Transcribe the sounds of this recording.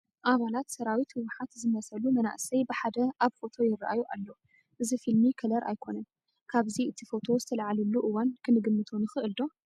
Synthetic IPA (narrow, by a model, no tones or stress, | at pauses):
ʔaβalat̪sɐɾawit̪hwʊħat̪zɨmɐsɐlumɐna̰ʔsɐjbɨħad̪ɐʔaβkʼo̞t̪ʰo̞jɪrːaʔajuʔalːo̞ | ʔɨzifilmikʰɐlɐɾʔa̰jkʰo̞nɐn | kʰaβziʔɨt̪ʰifo̞t̪ʰo̞zɨt̪ʰɐlʕalulːuʔɨwankʰɨnɨɡɨmːɨt̪ʰunɨxɨʔɨld̪o̞